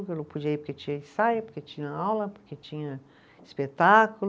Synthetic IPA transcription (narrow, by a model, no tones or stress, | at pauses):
kelopud͡ʒiɐipoɾket͡ʃĩɲɐẽsajʊpoɾket͡ʃĩɲɐawlɐpoɾket͡ʃĩɲɐ | ispet̪akul